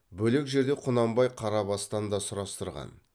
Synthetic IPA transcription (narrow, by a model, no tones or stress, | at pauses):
bɵle̞kʒe̞ɾd̪e̞qʰʊnɑmbɑjqʰɑɾɑbɑst̪ɑnd̪ɑsʊɾɑst̪əɾʁɑ̰n